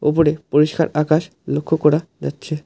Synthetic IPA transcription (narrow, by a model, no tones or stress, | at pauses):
opoɾepoɾiʃka̰ɾakaʃ | lokʰːokɔɾad͡ʑatːɕʰe